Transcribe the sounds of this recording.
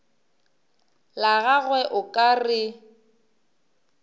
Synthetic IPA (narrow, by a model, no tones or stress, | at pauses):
laɣaɣwɛʔʊkʼarɪ